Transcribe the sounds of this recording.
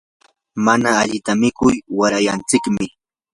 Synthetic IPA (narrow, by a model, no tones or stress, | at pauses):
manaːʎɪt̪amɪkʊjwaɾajant͡sɪkmɪ